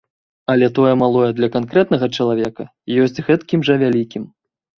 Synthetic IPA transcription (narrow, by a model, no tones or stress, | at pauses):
ɐlʲɛt̪ɔjɛmalˠɔjɛd̪lʲɐkankɾɛt̪̚nɐɣɐt͡ʂɐlˠavʲɛkɐ | jɔsʲt͡sʲɣɛt̪kʲimʐɐvʲalʲikʲim